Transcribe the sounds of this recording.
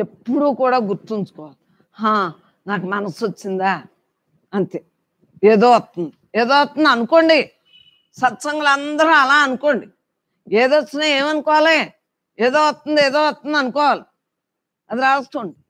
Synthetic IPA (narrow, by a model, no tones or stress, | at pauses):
epːuɽuːkuːɽaːɡuɾt̪int͡ʃu̥kɔːʋaːli | hãː | naːkumɐnɐsot͡ʃːind̪aː | ɐnt̪e | eːd̪oːɐt̪ːund̪ieːd̪oːɐt̪ːund̪ɐnuko̞ːɳɖi | sɐt̪sɐŋɡɐlɐnd̪ɐɾuɐlaːɐnuko̞ːɳɖi | eːd̪ot͡ʃːɐnaːeːmɐnukɔːʋaːleː | eːd̪oːʋɐt̪ːund̪ieːd̪oːɐt̪ːund̪ɐnukɔːʋaːli | ɐd̪iɾaːɐsʈoːɳɖi